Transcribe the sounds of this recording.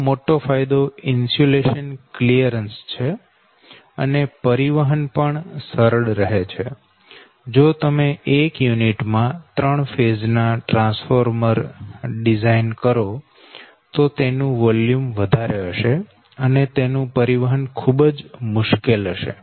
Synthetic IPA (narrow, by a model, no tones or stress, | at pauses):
moʈofʰajd̪oɪnsoleʃənklijəɾənst͡ʃʰe | ə̰nepəɾiʋəɦənpəɳsəɾəɽɾəɦet͡ʃʰe | d͡ʒot̪əmeʔekjuniʈmãt̪ɾəɳfed͡ʒnaʈɾãnsfoɾməɾɖizainkəɾo | t̪ot̪enũʋɔljumʋəd̪ʱaɾeɦəʃe | ənet̪enũpəɾiʋəɦənkʰubd͡ʒmʊʃkelɦəʃḛ